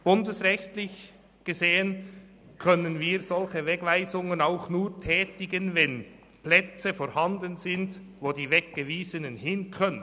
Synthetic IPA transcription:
b̥ʊndəsʁɛçtlɪç | ɡ̥əzeːən | kʰœnənviːʁz̥ɔlçəvɛɡvaɪzʊŋənaʊxnuːʁtʰɛːtɪɡənvɛn | plɛt͡səfoːɾhɑndənzɪnd | voːdiːvɛk̚ɡ̥əviːzənənhɪnkʰœnə

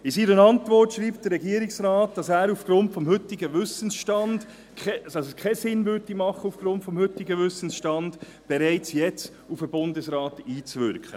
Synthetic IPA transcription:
ɪsiːɾənɑntʋɔrtʃɾiːpd̥əɾːɛɡiəɾɪksɾɑːt̚d̥ɑsæːɾufɡ̥ɾʊntfɔmhʏtɪɡəʋʏsən̩sʃtɑnd̥ | kɛd̥ɑsəskʰɛsɪnvʏɾdimɑχəufɡ̥ɾʊntfɔmhʏtiɡəʋʏsənsʃtɑnd̥ | b̥ɛɾɛɪt͡sjɛt͡s | ufəb̥ʊndəsɾɑːtiːt͡sʋʏɾkχə̰

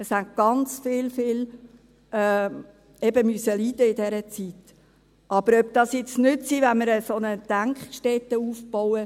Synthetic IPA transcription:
əshæntɡ̥ɑnt͡sfɪːlfɪːl | ɛː | ɛbəmysəliːd̥əɪd̥ɛɾət͡sit | ʔɑb̥əɾœb̚d̥̪ɑsjɪt͡snʏtsivænməɾəsonəd̪̥æŋkχʃtɛt̪əufb̥ɔwə

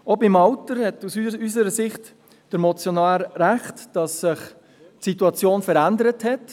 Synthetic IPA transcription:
obɪmɑwtəɾhɛtusyysəɾəsɪχt | d̥əɾmɔt͡sjonɑːlɾæχtd̥ɑsːɪχ | tsituɑt͡sjoːnfəɾændəɾəthɛt

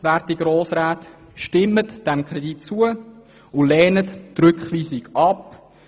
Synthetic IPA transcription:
væːɾtiɡɾoːsɾaːt̪ | ʃtɪmətd̥ɛmkʁɛditt͡suə | ʊlɛːnəttɾʏkχʋiːsɪɡɑp

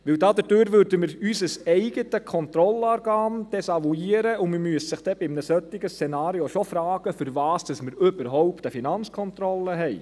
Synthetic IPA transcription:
ʋɪwdɑːd̥̪əd̥øɾvøɾdəmɪɾysəsɛɪɡətəkʰɔnt̪rɔlɑːɾɡ̥ɑːmd̥ɛsɑvuiəɾəʊmɪmyəsəsɪχd̥ɛb̥ɪmnəsœt̪ːɪɡəst͡sɛnɑːɾioʃɔfɾɑːɡ̥əfʏɾvɑːsd̥ɑsməɾʏb̥əɾɦɔwpt̪əfinɑnt͡skʰɔnt̪ɾɔlːəɦɛɪ

